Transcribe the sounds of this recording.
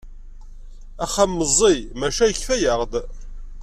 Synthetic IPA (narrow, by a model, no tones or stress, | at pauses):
æχamːəzˤːimæʃæjəçθæjəʁd̪